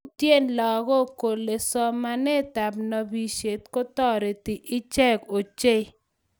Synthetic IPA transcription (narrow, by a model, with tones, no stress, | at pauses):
tje˦˨nlɔ˨ɡɔ˦˨ko˨lːe˨sɔ˦ma˦nɛ˦˨ta˨bnɔ˨bi˨ʃe˨t̚ko˦t̪ɔ˦˨ɾe˨ti˨ʔi˦t͡ʃɛ˦ko˨t͡ʃe˦